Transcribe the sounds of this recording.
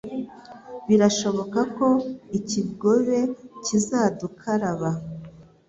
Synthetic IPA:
βiɾaʃo̞βo̞kako̞iciβɡo̞βe̞cizaːdukʰaɾaβa

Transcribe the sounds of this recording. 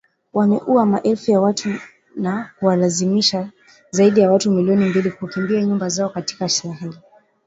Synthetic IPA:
wamɛʔuamaʔɛlfujawatʰu | nakuwalazimiʃa | zaiɗijawatumiliɔnimbilikukimbiaɲumbazaɔkati̥kaʃɛɾaɦɛli

